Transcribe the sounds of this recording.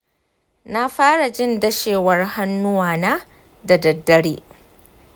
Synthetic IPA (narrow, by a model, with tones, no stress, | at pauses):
na˦ɸaː˦ɽa˨d͡ʒɪ˦ndɐ˦ʃeː˨wɐ˦rha˦nːʊ˦waː˨naː˦ | da˨dɐ˨dːɐ˦ɽeː˦